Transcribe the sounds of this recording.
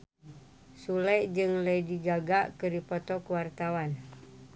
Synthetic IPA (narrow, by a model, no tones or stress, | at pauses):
sulɛd͡ʒɨŋləjdiɡaɡaʔkɨɾipɔt̪ɔkuwart̪awan